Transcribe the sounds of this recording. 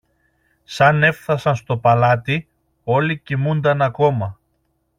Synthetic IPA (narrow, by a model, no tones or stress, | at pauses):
sɐne̞fθɐsɐnst̪o̞pɐlɐt̪i | o̞licimund̪ɐnɐko̞mɐ